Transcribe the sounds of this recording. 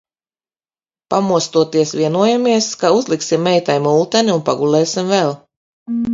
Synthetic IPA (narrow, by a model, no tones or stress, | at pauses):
pamuɔst̪uɔt̪iɛsvʲiɛnuɔjamiɛskauzlˠiksimːɛjt̪ɛjmulˠt̪ɛniunpaɡulˠɛːsimvɛlˠ